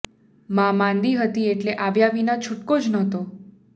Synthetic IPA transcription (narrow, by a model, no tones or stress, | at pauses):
mãmãnd̪iɦət̪ieʈleʔaʋjaʋinat͡ʃʰuʈkod͡ʒnɔt̪o